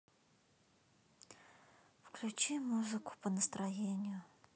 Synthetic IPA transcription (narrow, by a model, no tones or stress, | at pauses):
fklʲʉt͡ɕimuzɨkʊ̥pənəst̪ɾɐjenʲɪjʊ